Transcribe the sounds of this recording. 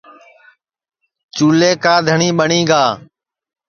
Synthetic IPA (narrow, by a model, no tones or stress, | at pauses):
t͡ʃuːleːkaːd̪ʱəɳiːɓəɳiːɡaː